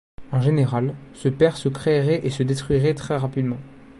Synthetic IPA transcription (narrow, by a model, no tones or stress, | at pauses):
ɑ̃ʒeneʁalsəpɛʁsəkχeʁɛʔesəd̪et̪χɥiʁɛt̪χɛʁapid̪mɑ̃